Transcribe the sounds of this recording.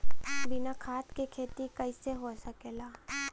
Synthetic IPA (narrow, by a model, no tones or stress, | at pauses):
bɪnakʰaːt̪kekʰeːt̪ikɐɪseɦosɐkeːlaː